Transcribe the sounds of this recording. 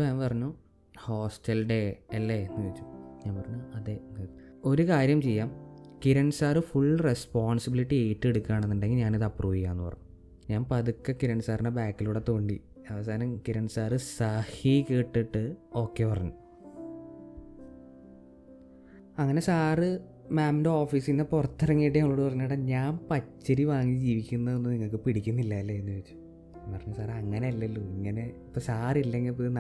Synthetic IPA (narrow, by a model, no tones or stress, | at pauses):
aːnpɐrɐɲːu | ho̞ːsʈɐlɖeɐlːenːɨkiit͡ɕːu̥ɲaːnpɐrɐɲːuɐðenːo̞ɾukaːɾjɐmt͡ɕe̞jːaːmkiɾɐnsaːrɨfuɭːrespoːɳsibiliʈːieːʈːe̞ɽukːaːɳenːuɳɖe̞ŋɡilɲaːniðɐpːruːʋikːaːnːɨpɐrɐ̰ɲːu | ɲaːnpɐðukːɐkiɾɐɳsaːriɳɖebaːkːiluɽet̪oːɳɖḭ | ɐʋɐs̬aːnɐmkiɾɐnsaːrɨsɐhikeːʈːiʈːɨo̞ːkːe̞ːpɐrɐ̰ɲːu | ɐŋːɐne̞saːrɨ | maːmndeo̞ːfiːsinːeporɐt̪ːɐrɐŋːijːʈːɨɐŋːɐɭo̞ːɽɨpɐrɐɲːuɽeɲaːmpɐt͡ɕːɐɾiʋaːŋːid͡ʑiːʋikʲːunːɐðenːuniŋːɐɭk̬ɨpiɽikʲːunːilːaːilːɐenːuʋet͡ɕːu̥ | pɐrɐɲːusaːrɐŋːɐneɐlːɐlːuiŋːɐne̞ipːoːsaːrilːeŋɡilpoðn